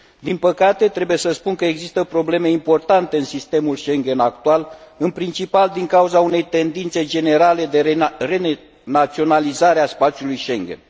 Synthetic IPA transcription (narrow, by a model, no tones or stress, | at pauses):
d̪inpəkat̪e̞t̪ɾe̞buje̞səspunkəeɡzist̪əpɾo̞ble̞me̞impo̞rt̪ant̪e̞ɨnsist̪e̞mulʃe̞ŋɡe̞nak̚t̪ualɨnpɾint͡ʃipald̪iŋkauzaune̞jt̪e̞nd̪int̪se̞d͡ʒe̞ne̞ɾale̞d̪e̞re̞ | nat̪sio̞nalizaɾeaspat̪sijulujʃe̞ŋɡʲḛn